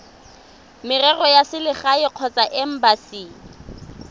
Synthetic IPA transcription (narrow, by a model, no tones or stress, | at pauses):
mɪrɛrɔjasɪlɪχaɪq͡χʰɔt͡sʼaʔɛm̩basi